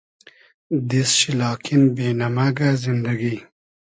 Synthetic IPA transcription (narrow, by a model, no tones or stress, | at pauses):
d̪isʃilɑːkʰinbenamaɡazɪnd̪aɡi